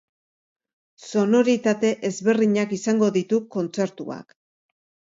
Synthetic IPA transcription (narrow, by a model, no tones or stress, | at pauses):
so̞no̞ɾit̪at̪e̞ʔezβe̞riɲakisaŋɡo̞ðit̪uko̞nt͡se̞ɾt̪ṵa̰k